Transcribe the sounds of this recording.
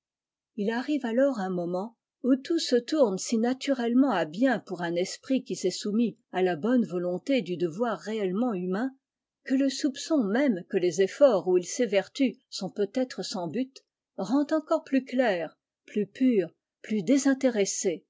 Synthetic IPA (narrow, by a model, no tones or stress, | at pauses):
ilaʁivalɔʁɛ̃mɔmɑ̃ | ut̪usət̪uʁnsinat̪yʁɛlmɑ̃abjɛ̃puʁɛ̃nɛspχikʲisɛsumialabɔnvɔlɔ̃t̪ed̪yd̪əvwaʁːeɛlmɑ̃ymɛ̃ | kələsupsɔ̃mɛmkəlezefɔʁuilsevɛʁt̪ysɔ̃pøt̪ɛt̪χəsɑ̃byt̪ | ʁɑ̃t̪ɑ̃kɔʁplyklɛːʁ | plypyːʁ | plyd̪ezɛ̃t̪eʁese